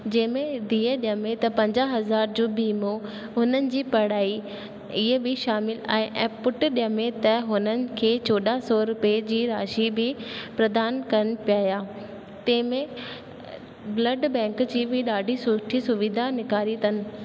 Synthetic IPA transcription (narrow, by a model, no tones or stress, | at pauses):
d͡ʑɐ̃ɦɪ̃mẽd̪iːəɗɪjə̃mẽt̪ɐpɐ̃ɲd͡ʑaɦɐzaːɾd͡ʑoːbiːmo | ɦʊnənɪ̆d͡ʑiːpɐɽ̤aːi | ɪɦebʱɪʃaːmɪla̰ːɦẽʔɛ̃ːpːʊʈɗɪjə̃mẽt̪ɐɦʊnənɪ̆kʰeːt͡ɕoːɗasɔɾʊped͡ʑiːɾaːʃibʱɪpɾɐd̪aːnkɐɾənɪ̆pijaːijaː | t̪ɐ̃ɦɪ̃mẽ | blɐɖbɛ̃ːŋkd͡ʑiːbʱɪɗaːɖʱisʊʈʰisʊʋɪd̪ʱanɪkaːɾit̪ɐnɪ̆